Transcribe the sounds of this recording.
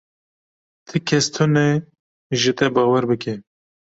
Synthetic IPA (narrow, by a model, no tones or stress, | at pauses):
t̪ʰɨkʰɛst̪ʰunɛ | ʒɨt̪ɛbɑːwɛɾbɨke